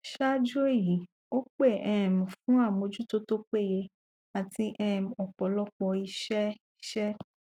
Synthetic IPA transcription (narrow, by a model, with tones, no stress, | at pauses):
ʃa˦d͡ʒo˦e˦˨ji˨˦ | o˦k͡pe˦˨ʔɛ˨m̩̃˨fũ˦a˦˨mo˧d͡ʒu˦to˦to˦k͡pe˦˨je˧ | a˨ti˧ʔɛ˦˨m˨ɔ˨k͡pɔ˨lɔ˦k͡pɔ˧i˧ʃɛ˦ | i˦ʃɛ˦